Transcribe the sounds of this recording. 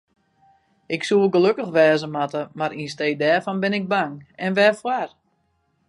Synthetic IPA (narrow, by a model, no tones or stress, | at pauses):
ɪksuəɡəløkəxʋɛːzəmatəmaɾinsteːdɛːrfɔnbɪnɪk̚baŋɛnʋɛfwar